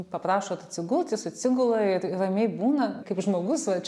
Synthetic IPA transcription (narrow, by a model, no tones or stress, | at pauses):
pɐpɾɑːʃoːt̪ɐt̪ʲsʲɪɡʊlˠt̪ʲjɪsʊtʲsʲɪɡʊlˠɐɪɾɪrɐmʲɛɪbuːnɐkɐɪpʒmoːɡʊsʋɐt͡ʃʲ